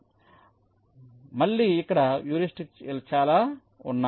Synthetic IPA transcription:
mɐɭːiːikːɐɽɐjuːɾisʈikselt͡ʃaːlaː | unːa

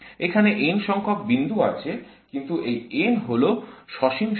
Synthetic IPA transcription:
ekʰaneʔenʃɔŋkʰok̚bind̪ʱuat͡ɕʰekint̪uʔejenɦoloʃɔʃimʃ

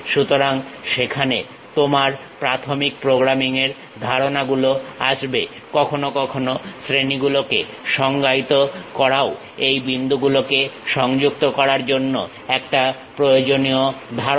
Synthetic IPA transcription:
ʃut̪oɾaŋʃekʰane | t̪omaɾ | pɾat̪ʰomik̚pɾoɡɾamiŋeɾ | d̪ʱaɾonaɡuloa̰ʃbe | kɔkʰonokɔkʰonosɾeniɡulokḛ | ʃɔŋɡait̪okɔɾao | ejbind̪ʱuɡulokeʃɔŋd͡ʑuk̚t̪okɔɾaɾd͡ʑonːo̰ | ɛk̚ʈapɾojod͡ʑoniod̪ʱa

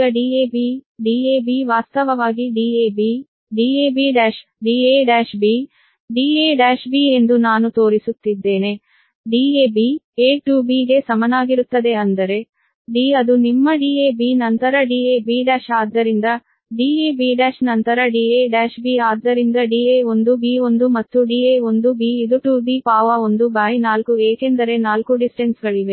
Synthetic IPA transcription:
ɐɖiːeːbiɖiːeːbiʋaːst̪ɐʋɐʋaːɡiɖiːeːbi | ɖiːeːbiɖaːʃɖiːeːɖaːʃbiː | ɖiːeːɖaːʃbiːe̞nd̪unaːnut̪o̞ːɾisut̪ːid̪ːe̞ːne̞ | ɖiːeːbieːʈjuːbiːɡe̞sɐmɐnaːɡiɾut̪ːɐd̪e̞ɐnd̪ɐɾe̞ | ɖiːɐd̪unimːɐɖiːebiːnɐnt̪ɐɾɐɖiːebiːɖaːʃaːd̪ːɐɾind̪ɐ | ɖiːeːbiːɖaːʃnɐnt̪ɐɾɐɖiːeːɖaːʃbiːaːd̪ːɐɾind̪ɐɖiːeo̞nd̪ubiːo̞nd̪umɐt̪ːuɖiːeːo̞nd̪ubiːid̪uʈuːbipaːʋɐo̞nd̪ubaːjnaːlkueːkend̪ɐɾe̞naːlkuɖisʈensɡɐɭiʋe̞

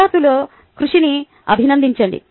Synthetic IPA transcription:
aːt̪uloː | kɾuʂini | ɐbʱinɐnd̪iɲt͡ʃɐɳɖḭ

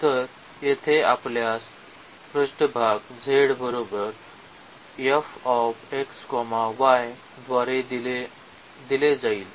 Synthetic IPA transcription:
t̪əɾ | jet̪ʰeapljas | pɾəɕʈəbʱaɡd͡zʱeɽbəɾobəɾ | jefɔfekskɔmaʋaj | d̪ʋaɾed̪le | d̪iled͡zaiːl

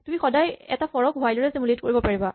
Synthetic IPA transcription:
tumixɔdajɛ̰tapɔɹɔk̚bʱajlɔɹɛsimuletkoɹibɔpaɹiba

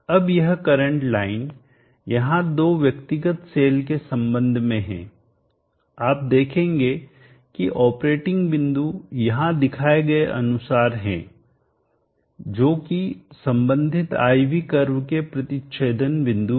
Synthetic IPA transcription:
ɐbjɐɦkɐɾə̃ɳʈlaːɪn | jɐɦãd̪oːʋjɐkt̪ɪɡət̪seːlkesɐ̃mbə̃nd̪ʱmẽɦɛ̰̃ː | aːp̚d̪eːkʰẽːŋɡe | kiʔɔːpɾeːʈɪ̃ŋɡʋɪ̃nd̪ujɐɦãd̪ɪkʰaːeɡɐeʔɐ̰nʊsaːɾɦɛ̰̃ː | d͡ʒoːkisɐ̃mbə̃nd̪ʱɪt̪a̰ːiʋikɐɾwkepɾɐt̪ɪʃeːd̪ənʋɪ̃nd̪u

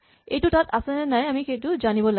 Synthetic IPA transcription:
ejtʊtatʰasɛnɛnajamixejtʊzanibɔla

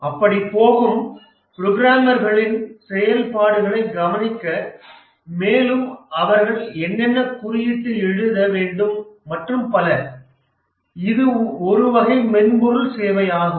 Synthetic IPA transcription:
ɐpːɐɽipoːɣɯm | pɪɾɔɣɪɾaːmɐɾɣɐɭɪnsɛjɐlpaːɽɯɣɐɭɐɪɡɐʋɐnɪkːɐ | meːlɯmɐʋɐɾɣɐɭɛnːɛnːɐkʊɾɪjɪʈːɯɛɻɯðɐʋeːɳɖɯmːɐʈrɯmpɐlɐ | ɪðɯɔɾɯʋɐɣɐɪmɛnmʊɾɯlseːʋɐjaːɣɯ

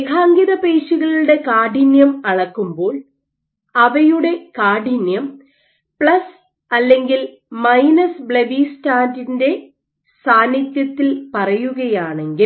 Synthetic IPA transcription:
ekʰaːŋɡiðɐpeːɕuɣɐɭuɽe̞kaːɖinjɐmɐɽɐkːumbo̞ːl | ɐʋɐjuɽe̞kaːɖinjɐm | pɭɐs | ɐlːe̞ŋɡil | mɐjnɐsbɭebiːstaːndinde̞ | saːnːit̪jɐt̪ːilpɐrɐjuɣɐjaːɳe̞ŋɡil

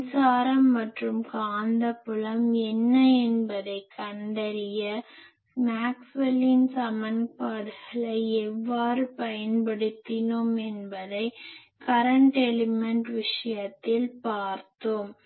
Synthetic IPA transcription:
saːɾɐmːɐʈrɯmkaːnd̪ɐpʊɭɐmɛnːɐɛnbɐðɐɪkːɐɳɖɐɾɪjɐ | maːksʋɐlɪnsɐmɐnpaːðɯɣɐɭɐɪɛʋːaːɾɯpɐjɐnpɐɽɯt̪ːɪnɯmɛnbɐðɐɪ | kɐɾɐɳʈɛlɪmɛɳʈʋɪʂɐjɐt̪ːɪlpaːɾt̪ːɯm

